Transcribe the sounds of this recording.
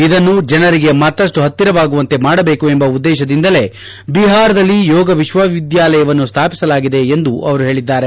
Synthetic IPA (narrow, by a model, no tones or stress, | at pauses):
id̪ɐnːud͡ʒɐnɐɾiɡe̞mɐt̪ːɐsʈuɦɐt̪ːiɾɐʋaːɡuʋɐnt̪e̞maːɽɐbeːkue̞mbɐud̪ːɛːʃɐd̪ind̪ɐle̞ | biɦaːɾɐd̪ɐlːijɔːɡɐʋiʃʋɐʋid̪jaːlɐjɐʋɐnːust̪ʰaːpi̥sɐlaːɡid̪e̞ːnd̪uʔɐʋɐɾuɦe̞ːɭid̪ːaːɾe̞